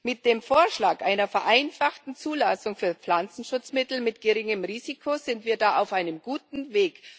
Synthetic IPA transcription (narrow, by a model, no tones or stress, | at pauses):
mɪt̚d̥eːmfoːɐʃlaːkʔaɪnɐfɛɐʔaɪnfaχtn̩t͡suːlasʊŋfyːɐp͡fl̥ant͡sn̩ʃʊt͡smɪtl̩mɪtɡ̥əʁɪŋəmʁiːzikʰoz̥ɪntv̥iːɐdaːʔaʊfʔaɪnəmɡ̥uːtn̩veːk